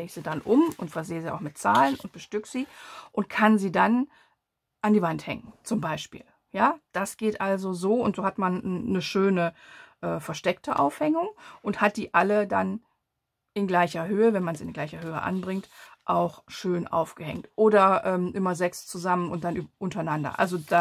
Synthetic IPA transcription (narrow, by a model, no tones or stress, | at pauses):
eːz̥iːdanʔʊmʊntfɛɐzeːəziːʔa̰ʊxmɪtt͡saːlənʔʊnt̚b̥əʃtʏkz̥iːʔʊnt̚kʰanziːdan | ʔandiːvanthɛ̰ŋənt͡sʊmbaɪʃpḭːl | jaːd̥asɡ̥eːtʔalzozoːʊntz̥oːhatmanːəʃøːnəʔɛːfɛɐʃtɛktəʔa̰ʊfhɛŋʊŋʔʊnthat̚d̥iːʔalədan | ʔɪnɡlaɪçɐɦøːəvɛnmanziːɪnɡlaɪçɐhøːə̰ʔa̰nbʁɪŋtʔaʊxʃøːnʔa̰ʊfɡ̥əhɛ̰ŋtʔoːɾɐʔɛːmʔɪmɐzɛkst͡suzamənʊnt̚d̥anʔyːʔʊntɐnandɐ̰ʔa̰lzod̥a